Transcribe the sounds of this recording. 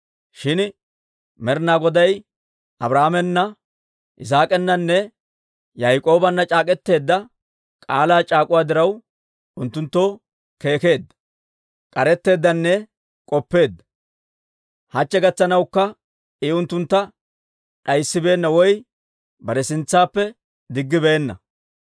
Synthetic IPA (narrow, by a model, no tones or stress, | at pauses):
ʃɪn | mɛɾnaːɡɔd̪ɐj | ɐbɾaːmɛnːɐ | ʔɪs̬aːkʼɛnːɐnːɛ | jɐjkʼo̞ːbɐnːɐt͡ʃʼaːkʼɛt̪ːe̞ːd̪ːɐ | kʼaːlaːt͡ʃʼaːkʼʊwaːd̪ɪɾɐw | ʊnt̪ːʊnt̪ːoː | ke̞ːke̞ːd̪ːɐ̥ | kʼɐɾɛt̪ːe̞ːd̪ːɐnːɛ | kʼɔpːe̞ːd̪ːɐ | hɐt͡ʃːɛɡɐt͡sːɐnɐwkːɐ | ʔɪʊnt̪ːʊnt̪ːɐ | ᶑɐjsːɪbe̞ːnːɐwɔj | bɐɾɛsɪnt͡sːaːpːɛ | d̪ɪɡːɪbeːnːɐ̰